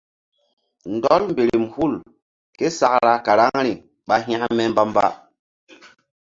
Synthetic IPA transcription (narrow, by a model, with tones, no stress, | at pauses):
n̩˨dɔ˦lm˨be˨ɾi˨mhu˦˨l | ke˦sa˨kɾa˦ka˨ɾa˦ŋɾi˨ | ɓa˦ɦĩ˦a˦mɛ˦mba˦m˦ba̰˦